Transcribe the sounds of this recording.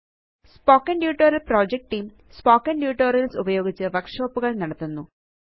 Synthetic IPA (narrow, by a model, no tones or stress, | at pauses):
spoːkːɐnɖjuːʈːoːɾɐlproːd͡ʑek̚ʈʈːiːm | spoːkːɐɳɖjuːʈːoːɾjɐlsubɐjo̞ːɡit͡ɕːɨʋɐrkʂoːpːuɣɐɭnɐɽɐt̪ːunːu